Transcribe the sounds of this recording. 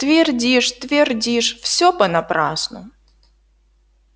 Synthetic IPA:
t̪vʲɪrdʲiʂt̪vʲɪrdʲiʂfsʲopənɐpɾasnʊ̰

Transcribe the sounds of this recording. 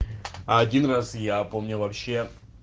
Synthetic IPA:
aːdʲinrasjapomnʲʊvɐpɕːe

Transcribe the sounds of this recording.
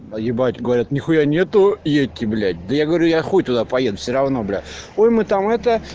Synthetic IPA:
jɪbatʲɡəvɐɾʲat̪nʲɪxʊjanʲe̞t̪ʊjet̪ʲːɪblʲætʲd̪əjaɡəvɐɾʲujaxot̚ʲt̪ʊd̪apɐjed̪ʊfsʲɪɾɐvno̞blʲæ̰ojmɨt̪amɛt̪ə

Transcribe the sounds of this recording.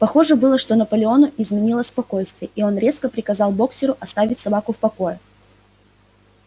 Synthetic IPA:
pɐxo̞ʐɨbɨlˠəʂt̪o̞nəpəlʲɪo̞nʊʔɪzmʲɪnʲilˠəsʲspɐko̞jst̪vʲɪjəʔio̞nɾʲe̞skəpɾʲɪkɐzɑlˠbo̞ksʲɪɾʊʔɐst̪avʲɪtʲsɐbakʊfpɐko̞jə

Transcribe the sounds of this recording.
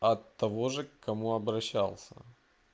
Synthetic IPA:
ɐt̪ːɐvo̞ʐɨkːɐmuɐbɾɐɕːalˠsʲə̰

